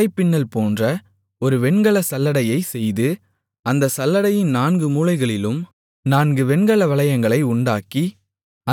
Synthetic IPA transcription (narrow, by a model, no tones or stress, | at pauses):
ɐɪpːɪnːɐlpoːndrɐ | ɔɾɯʋɛɳɡɐɭɐsɐlːɐɽɐjɐɪsɛjðɯ | ɐnd̪ɐsɐlːɐɽɐjɪnnaːnɡɯmuːlɐɪɣɐɭɪlɯm | naːnɡɯʋɛɳɡɐɭɐʋɐɭɐjɐŋɡɐɭɐɪʊɳɖaːkːi | ɐ